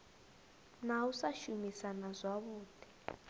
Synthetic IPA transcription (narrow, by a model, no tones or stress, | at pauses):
nausaʃumisanazʷwaβuːd̥ʰʱi̥